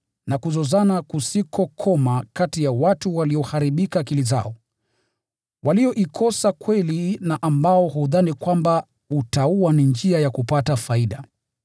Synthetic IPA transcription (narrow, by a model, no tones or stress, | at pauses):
nakuzɔzanakusikʰɔkʰɔmakatijawatuwaliɔhaɾiɓikakiliza̰ɔ | walijɔʔikʰɔsakwɛlinaʔambaɔɦuðanikwamba | utauanind͡ʒiajakupatafaiɗa